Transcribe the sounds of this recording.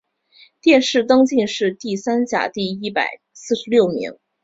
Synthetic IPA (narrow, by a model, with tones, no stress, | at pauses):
t̪jɛ˥˧nʂɻ̩˥˩t̪ɤ˥ŋt͡ɕi˥˧nʂɻ̩˥˧t̪i˥˩sa˥nt͡ɕja̰˨˩t̪i˥˩i˥pa̰˨˩ɪ | sɹ̩˥˩ʂɻ̩˧˥ljo˥˩ʊmḭ˧˥ŋ